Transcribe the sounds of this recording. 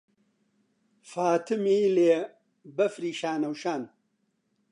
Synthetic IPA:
faːt̪ʰɨmiːleː | bɐfɾiːʃaːnɐwʃaːn

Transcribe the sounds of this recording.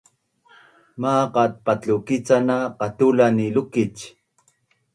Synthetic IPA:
maːqɑt̪̚pat͡ɬukit͡sanaqɑt̪ulanilukit͡ʃ

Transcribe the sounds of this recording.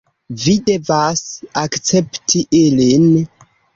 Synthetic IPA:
vide̞vasakt͡se̞ptʰiʔilin

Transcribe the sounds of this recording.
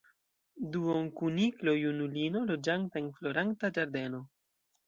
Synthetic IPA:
duoŋkuniklo̞junulino̞lo̞d͡ʒaŋtaenflo̞ɾaŋtad͡ʒaɾd̪e̞no̞

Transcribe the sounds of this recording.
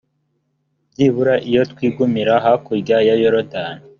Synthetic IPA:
bɟiβuɾaʔijotkwiːɡumiɾaɦakuɡajajoɾodan

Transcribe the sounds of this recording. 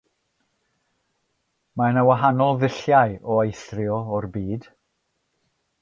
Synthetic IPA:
maənawaɦanɔlˠðɪɬjajɔejθrjɔɔrbiːd̥

